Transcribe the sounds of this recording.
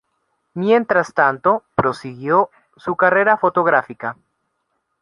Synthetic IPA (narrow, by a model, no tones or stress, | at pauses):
mjent̪ɾast̪ant̪o̞pɾo̞siɣjo̞ | sukare̞ɾafo̞t̪o̞ɣɾafika